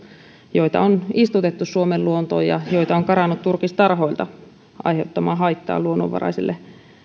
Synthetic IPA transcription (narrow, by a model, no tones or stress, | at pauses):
joit̪ɑ̰onist̪ut̪et̪ːussuomelluont̪o̰ːjɑ̰joit̪ɑoŋkɑrɑnːut̪t̪urkist̪ɑrhoilt̪ɑ | ɑ̰iheut̪ːɑmɑːhɑit̪ːɑ̰ːluonːo̰ʋɑ̰ɾɑ̰iselːʔe